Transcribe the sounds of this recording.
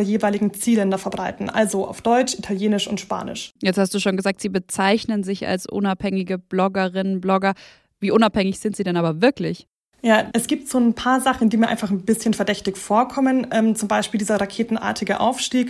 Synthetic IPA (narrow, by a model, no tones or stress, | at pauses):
ɐjeːvaɪlɪɡŋ̩t͡siːlɛndɐfɛɐbʁaɪtn̩ʔa̰lzoʔa̰ʊfd̥ɔʏt͡ʃʔitʰaljeːnɪʃʊntʃpa̰ːnɪ̰ʃjɛt͡sthastd̥uːʃoːnɡəzaːk̚tz̥iːbət͡saɪçnənzɪça̰lsʔʊ̰naphɛŋɪɡəb̥lɔɡəʁɪnənblɔɡɐ | viːʔʊnaphɛŋɪçz̥ɪntz̥iːdɛnʔaːbɐvɪɐklɪç | jaːʔɛsɡ̥iːp̚tz̥oːnpʰaːɐzaχn̩ndiːmiːɐʔa̰ɪnfaχnbɪsçənfɛɐdɛçtɪçfoːɐkʰɔmənʔɛːmt͡sʊmbaɪʃpiːldiːzɐʁakʰeːtn̩ʔa̰ːɐtʰɪɡəʔa̰ʊfʃtiːk